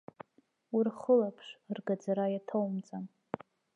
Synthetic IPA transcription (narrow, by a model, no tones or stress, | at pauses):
irχəlapʰʂrɡad͡zaɾajatʰowmt͡sʼan